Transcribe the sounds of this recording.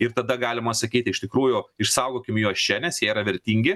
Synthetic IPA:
ɪrt̪ɐd̪ɐɡɑːlʲɪmɐsɐkʲiːt̪ʲɪʃt̪ʲɪkɾuːjʊɪʃsɐʊɡoːkʲɪmjuɔst͡ʃʲɛnʲɛsjiɛiɾɐʋʲɛɾʲt̪ʲiːŋʲɡʲɪ

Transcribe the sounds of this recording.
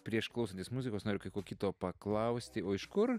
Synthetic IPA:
pʲɾʲiɛʃklˠɐʊsɐntʲeːsmuzʲɪkoːsnoːɾʲʊkɐɪkoːkʲɪt̪oːpɐklˠɐʊsʲt̪ʲɪoːɪʃkʊr

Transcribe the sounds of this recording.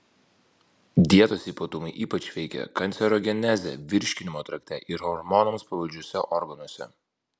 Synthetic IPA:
d̪ʲiɛt̪oːsʲiːpɐt̪ʊmɐɪʔiːpɐt͡ʃʲʋʲɛɪkʲɛ̰kɐnʲsʲɛɾoːɡʲɛnʲæzʲɛ̰ʋʲɪɾʲʃʲkʲɪnʲɪmoːt̪ɾɐkʲt̪ʲɛʔɪɾhɔɾmɔnɔmspɐʋɐlʲd͡ʒʲuɔsʲɛʔɔɾɡɐnuɔsʲɛ̰

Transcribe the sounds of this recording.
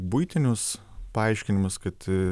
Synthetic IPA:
bʊɪt̪ʲɪnʲʊs | pɐɐɪʃʲkʲɪnʲɪmʊskɐt̪

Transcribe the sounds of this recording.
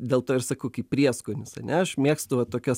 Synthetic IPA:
d̪ʲeːlˠt̪oːɪɾsɐkɐʊkʲiːppʲɾʲiɛskoːnʲɪsɐ̰nʲɛɐʃmʲeɛkst̪ʊʋɐt̪oːkʲɛs

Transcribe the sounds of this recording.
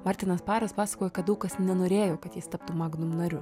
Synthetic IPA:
mɑːɾʲt̪ʲɪnɐspɑːɾɐspɑːsɐ̥koːjɛkɐt̪dɐʊkɐsnʲɛnoːɾʲeːjoːkɐt̪jɪst̪ɐpt̪umɑːɡnʊnɐɾʲʊ

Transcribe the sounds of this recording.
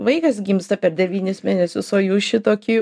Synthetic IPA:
ʋɐɪkɐsɡʲiːmst̪ɐpʲɛrd̪ʲɛʋʲiːnʲɪsmʲeːnʲɛsʲʊsoːjuːʃʲɪt̪oːkʲiː

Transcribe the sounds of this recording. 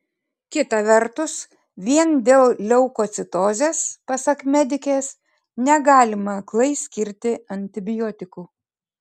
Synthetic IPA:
kʲɪt̪ɐʋʲɛɾt̪ʊs | ʋʲiɛnd̪ʲeːlˠlʲɛʊkoːt̪sʲɪt̪oːzʲeːspɐsɐkmʲɛd̪ʲɪkʲeːs | nʲɛɡɑːlʲɪmɐklˠɐɪsʲkʲɪɾʲt̪ʲɪɐnʲt̪ʲɪbʲɪjɔːt̪ʲɪkuː

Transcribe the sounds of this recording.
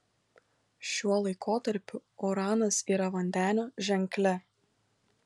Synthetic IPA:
ʃʲuɔlˠɐɪkʰoːt̪ɐɾʲpʲʊɔɾɑːnɐsiːɾɐʋɐnʲd̪ʲæːnʲoːʒʲɛŋʲklʲɛ

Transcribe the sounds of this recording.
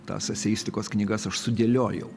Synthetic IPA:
t̪ɑ̰ːsɐsʲɛjiːsʲt̪ʲɪkoːsknʲiːɡɐsɐʃsʊd̪ʲeːlʲoːjɛ̰ʊ

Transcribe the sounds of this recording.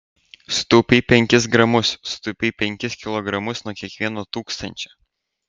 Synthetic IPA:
st̪uːpʲiːpʲɛŋʲkʲɪs̬ɡɾɐmʊsst̪uːpʲiːpʲɛŋʲkʲɪskʲɪlˠɔɡɾɐmʊsnuɔkʲiɛkʋʲiɛnoːt̪uːkst̪ɐnʲt͡ʃʲɛ

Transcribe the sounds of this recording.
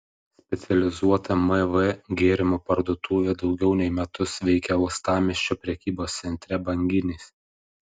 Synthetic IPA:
sʲpʲɛt̪sʲɛlʲɪzuɔt̪ɐmɛʋɛɡʲeːɾʲɪmopɐɾd̪uɔt̪uːʋʲeːd̪ɒʊɡʲɛʊnʲɛɪmʲɛt̪ʊsʋʲɛɪkʲɛʊst̪ɑːmʲɪʃʲt͡ʃʲoːpʲɾʲɛkʲiːboːst̪sʲɛnʲt̪ʲɾʲɛbɐŋʲɡʲɪnʲesʲ

